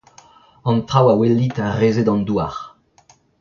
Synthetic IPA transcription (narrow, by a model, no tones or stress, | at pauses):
ɑ̃nt̪ʁawawelːit̪ɛ̃ʁeːzed̪ɑ̃nd̪uaʁ